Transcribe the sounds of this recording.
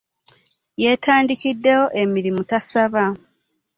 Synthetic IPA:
je̞tʰaːndikidːe̞jo̞ʔe̞miɾimutasaβa

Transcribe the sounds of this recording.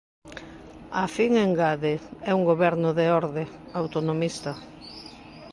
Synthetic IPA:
afiŋeŋɡaðɪɛuŋɡoβɛɾnʊðeɔɾðe | awt̪onomist̪ɐ

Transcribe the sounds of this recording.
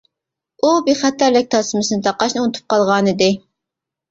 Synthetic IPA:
ubiχæt̪ʰæɾlɪk̚ʲt̪ʰɑsɨmɨsɨnɨt̪ʰɑqɑʃnɨunɨt̪ʰu̥p̚qɑlˠʁɑːnɨd̪ɪ

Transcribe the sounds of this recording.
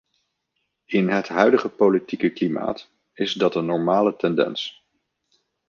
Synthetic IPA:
ɪnɦətɦœɥdəχəpolitikəklima̰ːt | ɪzdɑtənːɔɹmaːlətɛndɛ̰ns

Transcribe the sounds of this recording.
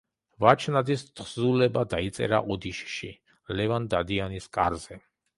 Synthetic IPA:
vat͡ʃʰnad̪ist̪ʰχzulɛbad̪ait̪sʼɛ̰ɾa̰ʔɔd̪iʃʃi | lɛvand̪ad̪ianiskʼaɾzɛ

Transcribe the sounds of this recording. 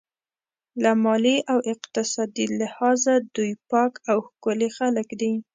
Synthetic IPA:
lamɑliʔawɪqt̪ɪsɑd̪ilɪhɑzad̪ujpɑkawxkʊlexaləkd̪i

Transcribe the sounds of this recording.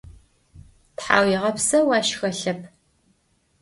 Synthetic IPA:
tħaːwjɪʁɐpsɐwaːʃxɐɬɐpʰ

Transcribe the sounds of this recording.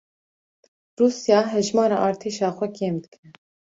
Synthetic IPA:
ruːsjɑːɦɛʒmɑːɾɑ̰ːʔɑːɾt̪ʰeːʃɑːxʷɛkʰeːmd̪ɨkɛ

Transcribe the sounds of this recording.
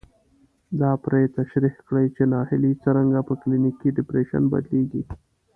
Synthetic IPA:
d̪ɑpɾet̪aʃɾihkɽəjt͡ʃenɑhɪlit͡səɾaŋɡapəklinikiɖɪpɾeʃa̰nba̰d̪leɡi

